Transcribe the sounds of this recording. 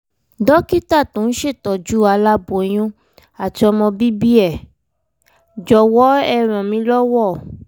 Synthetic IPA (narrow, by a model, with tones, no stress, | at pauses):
dɔ˦ki˦ta˦˨tõ˨˦n̩˦ʃe˦˨tɔ˨d͡ʒu˨˦a˧la˦bo˨j̃ũ˦ | a˨ti˧ɔ˧mɔ̃˧bi˦bi˦ɛ˦˨ | d͡ʒɔ˨wɔ˦ɛ˧˨ɾ̃ɔ̃˨mĩ˧˦lɔ˦wɔ˦˨